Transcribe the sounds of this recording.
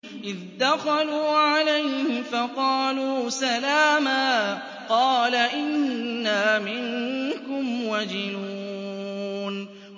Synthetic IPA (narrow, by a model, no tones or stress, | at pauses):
ʔɪðd̪axɑluːʕalajhhɪfɑqɑːluːsalaːmaː | qɑːlaʔɪnːaːmɪŋkʊmwad͡ʒɪnuː | n